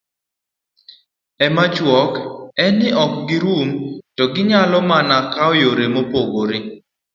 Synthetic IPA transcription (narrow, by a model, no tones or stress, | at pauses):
ɛmat͡ʃwɔkɛnɪʔɔk̚ɡɪɾumtɔɡɪɲalɔmanakaɔjoɾemopoɡoɾɪ